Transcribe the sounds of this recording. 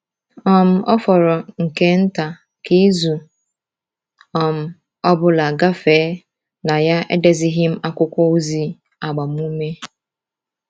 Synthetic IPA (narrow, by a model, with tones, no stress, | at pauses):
ɔ˨m̩˨ʔɔ˦fɔ˨ɾɔ˨ŋ̩˨ke˦n̩˦ta˨ | ki˦zu˨ | ɔ˨m̩˨ | ɔ˦bʊ˦la˨ɡa˦feː˨˦ | na˨ja˦ḛ˦de˨zi˦ɦi˦m̩˦ʔa˦kʷʊ˦kʷɔ˦o˦zi˨ | a˨ɡ͡ba˨m˦u˦me˦